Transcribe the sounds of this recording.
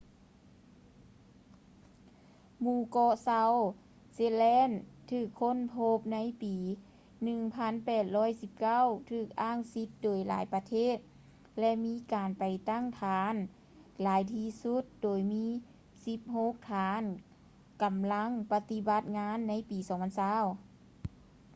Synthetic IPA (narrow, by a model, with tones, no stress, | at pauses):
muː˧˩kɔː˧sa˧˥w | seː˧˥lɛː˧˥˨nt̪ʰɯː˧˩kʰːo˧˥˨npʰo˧˥p̚na˧˥jpiː˨ | nɯ˧ŋpʰa˧˥˨npɛː˧˩t̪̚lɔː˧˥˩jsi˧˦p̚ka˧˥˨wt̪ʰɯː˧˩k̚ʔaː˥˨ŋsi˧˥t̪̚doː˨˩jla̰ː˩˦jpa˧t̪ʰeː˧˥˨t̪̚ | lɛ˧ʔmiː˧˥kaː˨˩npa˨˩jt̪a˥˨ŋt̪ʰaː˨˧n | laː˨˦jt̪ʰiː˧˥su˧˥t̪̚doː˨˩jmiː˧˥˨ | si˧˦p̚ho˧˥˦k̚t̪ʰaː˨˧˦n | ka˨˩mla˧˥ŋpa˧t̪i˧˥ba˧˦t̪̚ŋaː˧˥˨nːa˧˥jpiː˨˩sɔː˨˦ŋpʰa˧˥nsaː˧˥˨w